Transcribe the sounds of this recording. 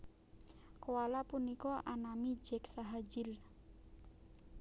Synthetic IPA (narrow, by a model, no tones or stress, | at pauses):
kowalapunikɔʔanamid͡ʒɛksaɦad͡ʒɪl